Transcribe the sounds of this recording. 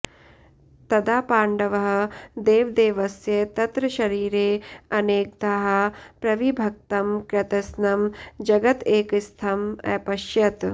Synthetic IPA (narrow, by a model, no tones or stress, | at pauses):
t̪ɐd̪aːpaːɳɖɐʋɐɦɐ̆d̪eːʋd̪eːʋɐsjɐt̪ɐt̪ɾɐʃɐɾiːɾeːɐneːk̚d̪aɦɐpɾɐʋibʱɐk̚t̪ɐmkɾɐt̪ɐsnɐmd͡ʒɐɡɐt̪eːkist̪ʰɐmɐ̰ːpɐʃjɐt̪